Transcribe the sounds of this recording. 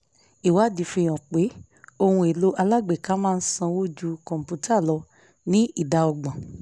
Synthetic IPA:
i˨wa˨˦˨di˨fĩ˧˨j̃ɔ̃˨k͡pe˨˦ | o˧hũ˧e˨lo˦ʔa˧la˦ɡ͡be˨ka˨˦mãː˦˧n̩˦sã˧wo˦d͡ʒu˧kɔ̃˨m̩˨pu˨˦ta˦˨lɔ˧ | nĩ˦i˦˨da˧ɔ˧ɡ͡bɔ̃˨

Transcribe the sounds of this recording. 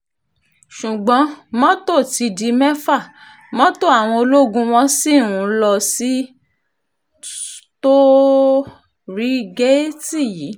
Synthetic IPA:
ʃu˨ɡ͡bɔ̃˨˦mɔ̃˦to˦˨ti˧di˧mɛ˦fa˦˨ | mɔ̃˦to˦˨a˨w̃ɔ̃˧o˧lo˦ɡũ˧w̃ɔ̃˧si˦˨nũ˨˦lɔ˧si˦ | to˦ | ɾi˦ɡe˦ti˦˨ji˨˦

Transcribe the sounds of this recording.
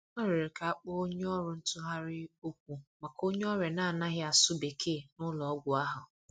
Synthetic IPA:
ɔ˦ɾɪ˨ɾɪ˨ka˨a˦k͡pɔ˦o˦ɲe˦ɔ˦ɾʊ˨n̩˦tʊ˦ɦa˦ɾɪ˦o˦kʷu˦ma˨ko˦ɲe˦ɔ˦ɾe˨na˦˨na˦ɣɪ˦a˨sʊ˦be˨kʰe˦˨nʊ˦lɔ˨˦ɡʷʊ˨a˦ɦʊ˨

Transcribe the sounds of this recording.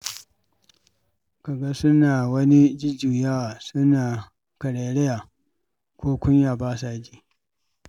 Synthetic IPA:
ka˨ɡa˦sʊ˦naː˨wɐ˦ni˦d͡ʒɪ˦d͡ʒuː˨jaː˦˨sʊ˦naː˨ | kɐ˨ɽeː˨ɽɛ˦ja˨ | kʷʰoː˦kʷʊ˦ɲjaː˨baː˦saː˦˨d͡ʒiː˦

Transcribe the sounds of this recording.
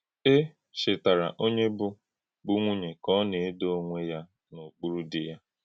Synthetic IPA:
e˦ | ʃɪ˨ta˨ɾa̰˨ʔo˦ɲe˦bʊ˦ | ɡ͡bu˦ŋʷu˦ɲe˨kɔ˦ne˨e˦do˦ŋʷe˦ja˦ | no˨k͡pu˦ɾu˦dɪ˨ja˦

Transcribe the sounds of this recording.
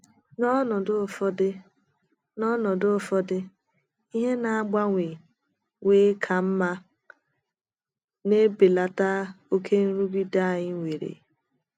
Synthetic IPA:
nɔ˦nɔ˨dʊ˦˨fɔ˦dɪ˦ | nɔ˦nɔ˨dʊ˦fɔ˦dɪ˦ | i˦ɦe˦na˨a˦ɡ͡ba˦ŋʷe˨ | ŋʷeː˦kʰa˨m̩˦ma˦ | ne˦be˨la˨ta˦o˦kʰe˦n̩˦ɾu˦bi˦da˦˨ɲɪ˦ŋʷe˨ɾḛ˨

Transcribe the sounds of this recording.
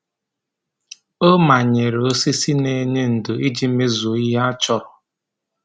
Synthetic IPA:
o˦ma˨ɲe˨ɾe˨o˦si˦si˦ne˦ɲe˦n̩˨dʊ˨i˦d͡ʒi˦me˦zu˨i˦ɦa˦a˦t͡ʃɔ˦ɾɔ˨

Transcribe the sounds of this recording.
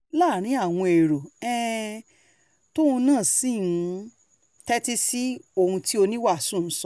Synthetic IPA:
laː˦˨ɾ̃ĩ˨˦a˦˨w̃ɔ̃˧e˨ɾo˨ɛ̃˦ | to˦ũ˧nãː˦˨sĩ˦˨˧ | tɛ˦ti˦si˦o˧˨hũ˧ti˦o˧nĩ˦wa˦˨sũ˦˨n̩˨˦sɔ˦

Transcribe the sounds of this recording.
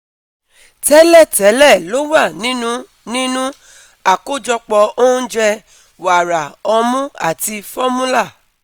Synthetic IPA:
tɛ˨˦lɛ˦˨tɛ˨˦lɛ˦˨lo˨˦wa˦˨nĩ˨˦nũ˦ | nĩ˦nũ˦ | a˦˨ko˦d͡ʒɔ˧k͡pɔ˧õ˦d͡ʒɛ˧ | wa˨ɾa˨ɔ˧mũ˦a̰˦˨ti˧fɔ˦mũ˦la˦˨

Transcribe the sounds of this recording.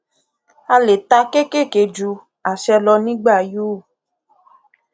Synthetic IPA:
a˧le˨t̪a˧ke˦ke˦˨ke˨d͡ʒu˧ | a˨ʃɛ˧lɔ˧nĩ˦ɡ͡ba˦˨juː˦˨

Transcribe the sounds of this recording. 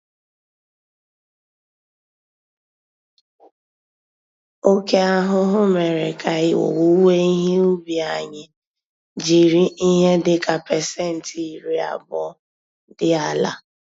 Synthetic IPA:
o˦ke˦a˦ɦʊ˦ɦʊ˦me˨ɾe˨kʰa˨ɪ˦wo̰˨wu˦we˦i˦ɦe˦u˦bi˨a˨ɲɪ˨ | d͡ʒi˨ɾi˦i˦ɦe˦dɪ˨ka˨pɛ˨sɛ˦˨n̩˨ti˨ɾi˨a̰˨bɔ˦ | dɪ˦a˦˨la̰˨

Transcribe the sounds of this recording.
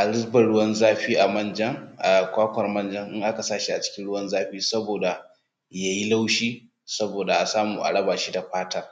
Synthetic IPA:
ʔa˨lɪ˦zbɐ˨ɽʊ˦wɐ˦nzaː˦ɸiː˦ʔa˨mɐ˦nd͡ʒɐ˦ŋʔa˨kʷaː˦kʷɐ˨rmɐ˦nd͡ʒɐ˦ŋʔɪ˦ŋʔa˦ka˨saː˦ʃi˦ʔa˨t͡ʃɪ̥˦kʲɪ˦nɽʊ˦wɐ˦nzaː˦ɸiː˦sɐ˦boː˨da˨ | ja˦ji˦la˦wʃiː˦ | sɐ˦boː˨da˨ʔa˨saː˦muː˨ʔa̰˨ɽɐ˦baː˨ʃiː˦da˨ɸaː˦tɐ˦r

